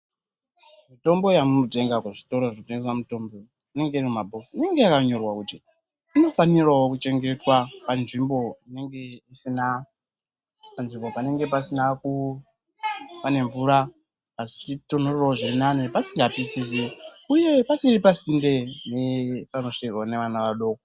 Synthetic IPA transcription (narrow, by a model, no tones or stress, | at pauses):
mito̞mbo̞jamunote̞ŋɡakweʐito̞ɾo̞ʐinoteŋɡeswamuto̞mbo̞ | ine̞ŋɡeirimumabʱo̞ksine̞ŋɡe̞jakaɲo̞rwakuti | ino̞fanirawo̞kut͡ʃe̞ŋɡe̞twapanʐimbo̞ine̞ŋɡe̞isina | panʐimbo̞pane̞ŋɡe̞pasinaku | pane̞ɱvuɾa | pait͡ʃitonoreraoʐirinanepasiŋɡapisisiuje̞pasiɾipasinde̞nepano̞ʂiirwane̞ʋanaʋaɗo̞ːko